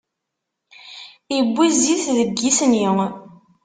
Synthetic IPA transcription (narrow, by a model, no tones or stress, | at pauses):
ibːiziθðəɡːisnjiŋ